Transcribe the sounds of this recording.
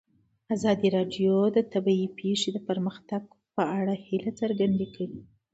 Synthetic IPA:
azɑd̪iɾɑɖjod̪ət̪abaipʰeʂed̪əpəɾməxt̪aɡ̚ | pəaɽahilat͡səɾɡand̪ekaɽi

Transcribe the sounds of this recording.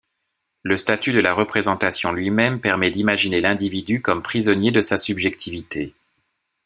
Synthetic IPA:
ləst̪at̪yd̪əlaʁəpχezɑ̃t̪asjɔ̃lɥimɛmpɛʁmɛd̪imaʒinelɛ̃d̪ivid̪ykɔmpχizɔnjed̪əsasybʒɛk̚t̪ʰivit̪ʰe

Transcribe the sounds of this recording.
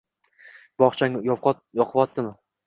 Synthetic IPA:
b̥ɒχt͡ʃʰaŋjɒ | jɒqʰɨvɒt̪̚ːɪmɪ

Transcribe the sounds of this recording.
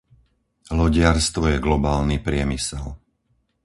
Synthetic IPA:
lɔɟɪaɾst̪ʋɔjɛɡlɔbaːlnipɾɪɛmisɛl

